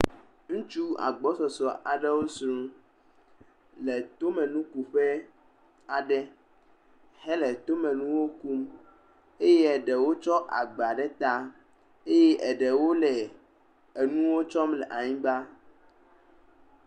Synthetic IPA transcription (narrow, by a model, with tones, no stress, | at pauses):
ŋũ˦t͡ʃu˦a̰˨ɡ͡bɔ˦sɔ˨sɔ˨ʔa̰˨ɖɛ˦wo˦sɾũ˦ | lɛ˨t̪o˦mɛ̃˨nũ˦ku˨ɸɛ˦ | a˨ɖɛ˦ | hɛ˦lɛ˨t̪o˦mɛ̃˨nũ˦wo˦ku˦m | e˦je˦ɛ˨ɖɛ˨wo˦t͡ʃɔ˦ʔa̰˨ɡ͡ba˨ɖɛ˦t̪a˦ | e˦je˦ʔɛ˨ɖɛ˨wo˦lɛ˨ | e˨nũ˦wo˦t͡ʃɔ˦mlɛ˨ʔa˨ɲĩ˦ba˦